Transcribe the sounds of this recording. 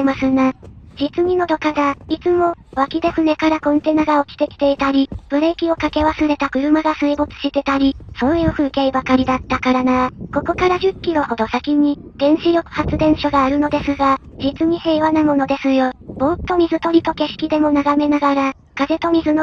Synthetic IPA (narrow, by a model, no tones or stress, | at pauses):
masɨnad͡ʑit͡sɨɲ̟ino̞d̪o̞kaɡ̪ait͡sɨmo̞βakʲid̪e̞sɨne̞kaɾakõ̞nt̪e̞naɡao̞kʲi̥t̪e̞kʲi̥t̪e̞it̪aɾʲib̥ɯ̟ɾe̞kʲio̞kake̞βasɨɾe̞t̪akɯ̟ɾɯ̟maɡasɨibot͡sɨ̥ɕit̪e̞t̪aɾʲiso̞ːjɯ̟ːɸɯ̟ːkeibakaɾʲid̪at̪ːakaɾanako̞ko̞kaɾaʑɨkʲːiɾo̞ho̞d̪o̞sakʲiɲ̟id̪̥ẽ̞ɰ̃ɕiɾʲjo̞kɯ̟̥hat͡sɨd̪ẽ̞ɰ̃ɕoɡaːɾɯ̟no̞d̪e̞sɨɡad͡ʑit͡sɨɲ̟ihe̞ːβanamo̞no̞d̪e̞sɨjo̞bo̞ːt̪ːo̞mʲizɨt̪o̞ɾʲit̪o̞ke̞ɕi̥kʲid̪e̞mo̞naɡame̞naɡaɾa | kaze̞t̪o̞mʲizɨno